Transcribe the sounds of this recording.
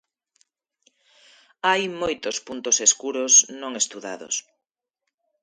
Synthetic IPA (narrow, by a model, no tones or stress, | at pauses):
ajmojt̪ospunt̪oseskuɾosnõŋest̪uða̰ðo̰s